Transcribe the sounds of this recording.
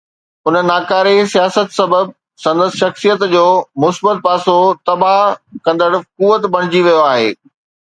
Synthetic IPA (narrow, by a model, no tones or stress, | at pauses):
ʊnənːaːkaːɾesijaːsət̪sɐbəb̚ | sɐ̃nd̪əsʃɐxsijət̪d͡ʑoːmʊsbət̪̚paːsot̪ɐbaɦkɐ̃nd̪əɽkuʋət̪bɐɽ̃ɪd͡ʑiʋijoaːɦeː